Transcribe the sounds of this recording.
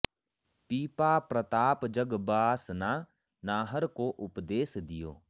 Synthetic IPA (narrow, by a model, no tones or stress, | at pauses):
piːpaːpɾət̪aːpd͡ʒəɡbaːsna | naːɦəɾkoʔʊpd̪eːsd̪ɪjo̰ː